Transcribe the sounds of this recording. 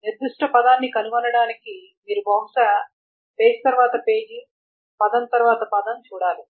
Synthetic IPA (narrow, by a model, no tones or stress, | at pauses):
niɾd̪uʂʈɐpɐd̪aːnːikɐnuʋɐnɐɽaːniki | miːɾubʱɐŋʂɐ | t̪eːd͡ʒit̪ɐɾʋaːt̪ɐpe̞ːd͡ʒi | pɐd̪ɐnt̪ɐɾʋaːt̪ɐpɐd̪ɐmt͡ʃuːɽaːli